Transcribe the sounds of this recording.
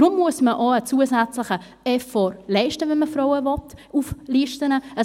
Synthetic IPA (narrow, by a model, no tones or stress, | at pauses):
dɾʊmːuəsməʔoːət͡suəzæt͡slɪχə | ɛfɔɾlɛɪʃtəvɛnməfɾɔʊəvɔp̚tuːfliːʃtənəə